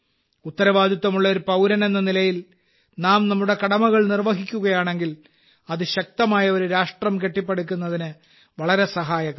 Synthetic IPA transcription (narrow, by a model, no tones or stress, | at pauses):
ut̪ːɐɾɐʋaːd̪jit̪ːɐmuɭːɐoɾupɐwɾɐne̞nːɐnilɐjil | naːmnɐmːuɽe̞kɐɽɐmɐɣɐɭnirʋɐɦikʲːuɣɐjaːɳe̞ŋɡil | ɐðɨɕɐk̚t̪ɐmaːjɐoɾuɾaːʂʈrɐmke̞ʈːipːeɽukʲːunːɐðinɨ | ʋɐɭɐɾe̞sɐɦaːjɐɣɐm